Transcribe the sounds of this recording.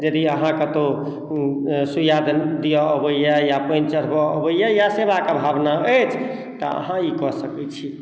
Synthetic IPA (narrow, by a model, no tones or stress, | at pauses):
d͡ʒəd̪iəɦãkət̪o | sujad̪d̪ijɔəbəjajapənt͡ʃəɾ̤bɔəbəjajasebakabʱabnaət͡ʃʰ | t̪ɔ̰ə̰ɦãikɔsəkɛt͡ʃʰi